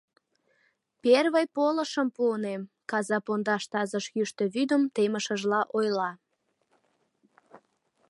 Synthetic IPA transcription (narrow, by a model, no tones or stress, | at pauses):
perβəjpoləʃəmpuənem | kɑzɑpond̪ɑʃt̪ɑzəʃjyʃt̪øβyd̪əmt̪eməʃəʒlɑʔojlɑ